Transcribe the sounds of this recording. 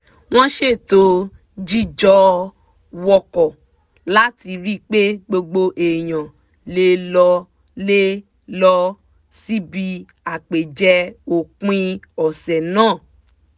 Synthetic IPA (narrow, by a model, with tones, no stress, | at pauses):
w̃ɔ̃˦ʃe˦˨to˧ | d͡ʒi˦˨d͡ʒɔ˧ | wɔ˧kɔ˨ | la˦ti˧ɾi˦k͡pe˦ɡ͡bo˧ɡ͡bo˧ʔe˨j̃ã˨ | le˧lɔ˧ | le˦ | lɔ˧ | si˦bi˧ | a˨k͡pe˨d͡ʒɛ˧o˨k͡pĩ˧ɔ˨sɛ˨nãː˦˨